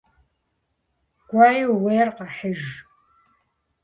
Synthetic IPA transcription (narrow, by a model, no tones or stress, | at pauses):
ɡ̥ʷaːjiwweːrqɑħəʒ